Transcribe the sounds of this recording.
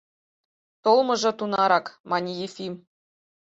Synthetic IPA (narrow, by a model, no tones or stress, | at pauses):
t̪olˠmɤ̆ʐɤ̆t̪unɑɾɑkmɑnʲijefʲim